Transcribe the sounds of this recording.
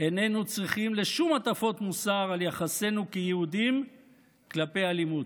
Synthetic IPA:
e̞ne̞nut͡sʁiχimle̞ʃumat̪afo̞t̪musaʁaljaχase̞nukejehud̪im | klape̞alimud̪

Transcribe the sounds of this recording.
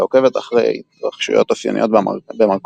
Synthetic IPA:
oke̞vet̪aχʁḛj | ʁaχʃṵjo̞t̪ofja̰nḭʔot̚bemalk

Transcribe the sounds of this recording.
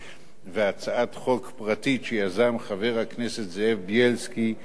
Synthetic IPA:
veat͡saatχo̞kpʁatiʃejazamχave̞ʁhaknesetzeefbjelski

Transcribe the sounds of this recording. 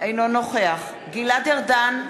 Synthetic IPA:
ʔejnonoχeaχ | ɡilad̪eʁdan

